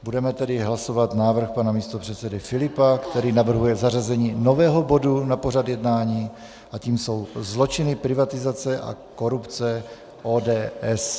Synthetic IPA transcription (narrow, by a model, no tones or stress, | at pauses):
budɛmɛt̪ɛdɪɦlaso̞vat̪naːvr̩xpanamiːst̪opr̝̥ɛt̪t͡sɛdɪfɪlɪpakt̪ɛɾiːnavr̩ɦujɛzarazɛɲiːno̞vɛːɦo̞bo̞dunapo̞r̝ad̪jɛdnaːɲiː | ʔaciːmso̞wzlo̞t͡ʃɪnɪpɾɪvat̪ɪzat͡sɛʔa̰ko̞ɾupt͡sɛ | ʔoːdɛːʔɛs